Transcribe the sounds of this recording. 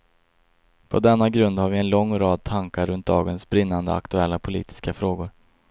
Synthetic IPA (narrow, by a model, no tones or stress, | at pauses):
pʰɔd̪ɛnːaɡɾɵnd̪haɾvɪɛnlɔŋːɾɑːd̪̚t̪ʰaŋkaɾɵnt̪̚d̪ɑːɡənsbɾɪnːand̪ə̰a̰kt̪ɵɛlːapʰʊlḭːt̪ʰɪ̥skafɾoːɡʊɾ